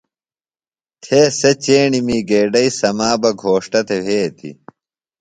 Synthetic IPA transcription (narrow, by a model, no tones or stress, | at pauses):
t̪ʰeːsɐt͡ɕeːɳimiːɡeːɖɐisɐmaːbɐɡʱoːʂʈɐt̪ew̤ʱeːt̪ʰḭ